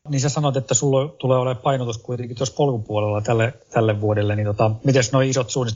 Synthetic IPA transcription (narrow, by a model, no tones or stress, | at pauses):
niːsæsɑnot̪et̪ːæsulːot̪uleːoleppɑinot̪uskuit̪eŋkit̪ospolkupuolelːɑt̪ælːet̪ælːeʋʋuodelːenint̪ot̪ɑmit̪esnoiisot̪suːnːit̪